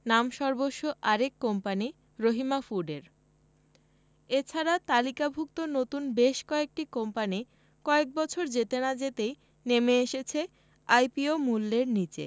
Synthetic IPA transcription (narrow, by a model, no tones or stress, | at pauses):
namʃɔɾboʃːoʔaɾekːompani | ɾoɦimafuɖeɾ | et͡ɕʰaɾat̪alikabʱuk̚t̪onot̪unbeʃkɔek̚ʈikompani | kɔek̚bɔt͡ɕʰoɾd͡ʑet̪enad͡ʑet̪ej | nemeeʃet͡ɕʰe | ajpiomulːeɾnit͡ɕḛ